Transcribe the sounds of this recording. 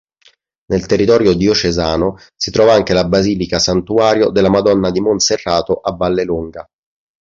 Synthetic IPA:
nelt̪erːit̪ɔːɾjod̪iot͡ʃezaːno | sit̪ɾɔːvaaŋk̟elabaziːlikasant̪uaːɾjod̪elːamad̪ɔnːad̪imonserːaːt̪oʔavːalːeluŋɡa

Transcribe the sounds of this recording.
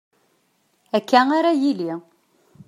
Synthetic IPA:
ækːæaɾajili

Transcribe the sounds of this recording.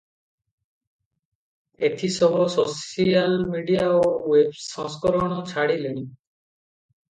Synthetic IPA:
et̪ʰisɔɦɔsosialmiɖiaowebsɔ̃skɔɾɔɽ̃ɔt͡ʃʰaɽilen

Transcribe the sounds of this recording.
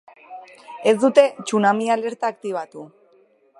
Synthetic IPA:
e̞zd̪ut̪e̞t͡ʃunamiale̞ɾt̪aːk̚t̪iβ̞at̪u

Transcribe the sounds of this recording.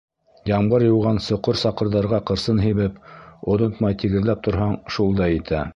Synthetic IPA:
jɑmɢɤɾjɤ̆wʁɑnsŏqoɾsɑqɤ̆ɾðɑɾʁɑqɤ̆ɾsɤnɦiβɘpŏðont̪mɑjt̪iɡɘ̆ðlæp̚t̪ŏɾɦɑɴʃulˠd̪ɑjit̪ʰæ̰

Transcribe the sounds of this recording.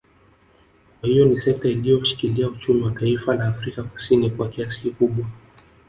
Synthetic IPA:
kwahijɔnisɛk̚tailijɔmuʃi̥kiliaut͡ʃumiwataifalaːfɾikaku̥sinikwakiasi̥kikuɓwa

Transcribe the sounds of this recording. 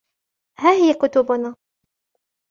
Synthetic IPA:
haːhɪjakʊt̪ʊbʊnaː

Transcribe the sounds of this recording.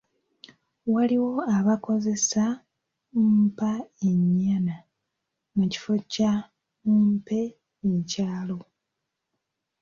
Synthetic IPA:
waliwo̞aβako̞ze̞sa | umpaeɲːana | muci̥fo̞ca | umpe̞ː | caːlo̞

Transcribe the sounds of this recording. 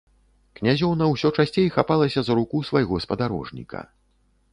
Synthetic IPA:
knʲazʲɔwnɐwsʲɔt͡ʂasʲt͡sʲejxapalˠɐsʲɐzɾukusvajɣɔspɐd̪aɾɔ̰ʐnʲḭkʰɐ̰

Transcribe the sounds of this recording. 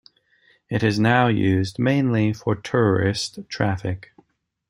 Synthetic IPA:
ɨɾɨznaʊjʉzdmẽɪ̃nlifə˞tʰɛɹə˞ɪstʰɹ̥æfɪk

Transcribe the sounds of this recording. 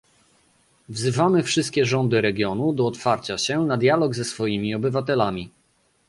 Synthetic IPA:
vzɘvamɘfʂɘst̪̚kʲɛʐɔnd̪ɘɾɛɡʲjɔnud̪ɔːt̪faɾt͡ɕaɕɛnad̪ʲjalɔɡzɛsfɔjimʲiɔbɘvat̪ɛlamʲi

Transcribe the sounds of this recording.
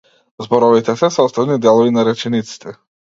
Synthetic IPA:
zbɔɾɔvit̪ɛsɛsɔst̪avnid̪ɛlˠɔvinaɾɛt͡ʃɛnit̪si̥t̪ʰɛ

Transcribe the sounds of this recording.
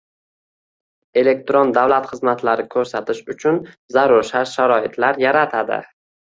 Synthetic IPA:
e̞le̞k̚t̪ɾond̪awlat̪χɨzmat̪laɾɪkʲʰɵɾsat̪ʰɪʃʊt͡ʃʰʊn | zaɾʊɾʃaʃaɾɒɪt̪ʰlaɾjaɾat̪ʰad̪ɪ̰

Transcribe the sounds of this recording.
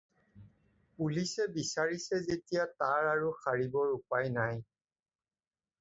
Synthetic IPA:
pulisɛbisaɹisɛzetijataɹaɹuxaɹibɔɹupajnaj

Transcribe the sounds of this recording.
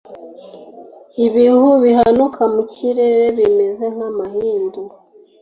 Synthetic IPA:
iβihuβiɦanukʰamuciɾe̞ɾe̞βime̞ze̞ŋ̥hamahiːndu

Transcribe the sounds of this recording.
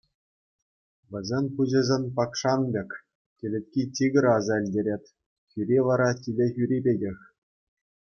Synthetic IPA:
ʋʲɘ̆zʲemʲpuʑɘ̆zʲenʲpɑkʂɑnbʲekʲ | kʲĕlʲĕt̚ʲkʲit͡ɕʲiɡʲɘ̆ɾɑzɑɘ̆lʲdʲeɾʲetʲ | xʲyɾʲiʋɑɾɑkʲilʲexʲyɾʲibʲeɡʲexʲ

